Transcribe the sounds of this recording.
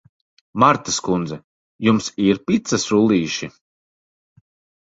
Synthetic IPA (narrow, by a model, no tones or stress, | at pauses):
maɾt̪askund̪zɛ | jumsiɾpʲit̪sasɾulˠiːʃi